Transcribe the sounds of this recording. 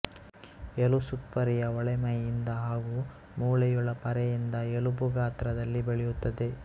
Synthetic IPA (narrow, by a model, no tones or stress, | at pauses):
ɛlusut̪ʋɐɾijɐɔɭɛmɐjind̪ɐɦaːɡuː | muːɭɐjuɭɐpɐɾɛjind̪ɐelubuɡaːt̪ɾɐd̪ɐlːibeɭɛjut̪ːɐd̪e̞